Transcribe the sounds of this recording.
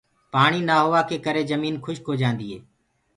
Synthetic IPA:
paːɳ̃iːnaːɦʊʋaːkeːkəɾeːzəmiːnkʰʊʃkoːd͡ʒãːnd̪iːɦḛː

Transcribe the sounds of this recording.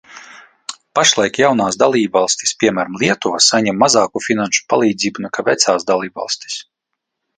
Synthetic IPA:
paʃlˠajkjawnaːsd̪alˠiːbvalˠsʲt̪ʲi̥spʲiɛmæːɾamlʲˠiɛt̪usaɲɛmːazɑːkufinanʃu̥pa̰lˠiːd̪ziːbunɛkavɛt̪saːsd̪alˠiːbva̰lˠsʲt̪ʲi̥s

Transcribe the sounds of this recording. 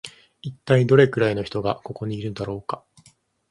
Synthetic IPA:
it̪ːaid̪o̞ɾe̞kɯ̟ɾaino̞çi̥t̪o̞ɡako̞ko̞ɲ̟iːɾɯnod̪aɾo̞ːka

